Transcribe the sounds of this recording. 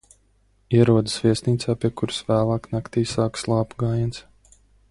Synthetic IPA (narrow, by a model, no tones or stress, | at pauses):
iɛɾuɔd̪ɨsviɛsniːt̪saːpʲiɛkuɾsvæːlˠɑːknakt̪iːsaːkslˠɑːpuɡaːjɛns